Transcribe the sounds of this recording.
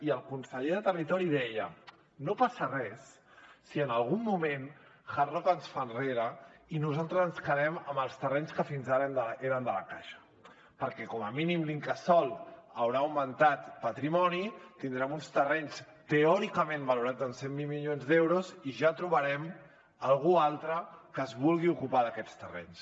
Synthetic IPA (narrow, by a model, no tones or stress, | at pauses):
iəlˠkunsəʎeðət̪ərit̪ɔɾiðɛjə̰ | nopasərɛsː | iənəlˠɣumːumẽnxarɔkənsfanreɾəinuzalˠt̪ɾəzənskəðɛməməlˠst̪ərɛɲskəfinzaɾnd̪əeɾənd̪ələkaʃə̥ | pəɾkɛkɔməminimliŋkəsɔlˠəwɾaːwmənt̪at̪pət̪ɾimɔnit̪ind̪ɾɛmunst̪ərɛɲs | t̪eɔɾikəmẽnbəluɾad͡zənsemːilmiʎonzd̪ewɾuziʒat̪ɾuβəɾɛm | əlˠɣualˠt̪ɾəkəːzβulˠɣiukupaðəkɛt͡st̪ərɛ̰ɲs